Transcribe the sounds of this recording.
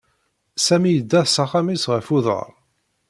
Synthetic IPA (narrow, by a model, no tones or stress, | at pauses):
sæmijəd̪ːæðsɑχamisʁəfuðə̰ɾˤ